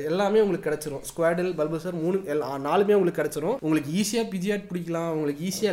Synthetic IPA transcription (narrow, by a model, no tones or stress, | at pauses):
ɛlːaːmeːʊŋɡɐɭɯkːɯːkɪɽɛt͡ʃːɐɾʊ̃skʊʋaːɖɐlbɐlbɐsɐɾmuːnɯɛlːnaːlɯmeːʊŋɡɐɭɯkːkːɪɽɛt͡ʃːɐɾʊ̃ːʔʊŋɡɐɭɯk̬ːɯiːsɪjaːpɪðɪjaːʈ̚pʊɽɪkːɐlãːʊŋɡɐɭɯkːiːsɪjaː